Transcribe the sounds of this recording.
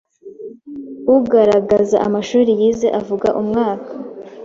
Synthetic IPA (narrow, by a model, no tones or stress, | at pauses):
uɡaɾaɡazaʔa̰maʃuːɾijizeʔavuɡa̰ʔumŋaːkʰa